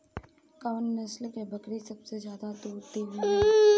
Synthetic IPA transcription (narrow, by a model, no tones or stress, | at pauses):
kaʋənːɐslkebɐkɾisɐbsezjaːd̪at̪oːɾt̪iɦu